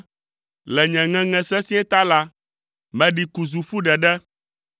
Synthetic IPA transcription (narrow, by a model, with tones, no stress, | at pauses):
lɛ˨ɲɛ̃˨ŋɛ̃˦ŋɛ̃˨sɛ˦sĩ˦ɛ˦t̪a˦la˦ | mɛ̃˨ɖi˨ku˨zu˨ɸu˦ɖɛ˨ɖɛ˦